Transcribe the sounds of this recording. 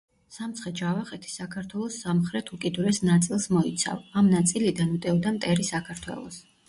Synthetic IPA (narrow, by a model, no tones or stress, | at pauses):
samt̪sʰχɛd͡ʒavaχɛt̪ʰi̥sakʰaɾt̪ʰwɛlˠɔsːamχɾɛt̪ʰukʼid̪uɾɛsnat̪sʼilˠsmɔit̪sʰa̰vamnat̪sʼilid̪anmt̪ʼɛɔd̪amt̪ʼɛɾisakʰaɾt̪ʰwɛ̰lˠɔ̰s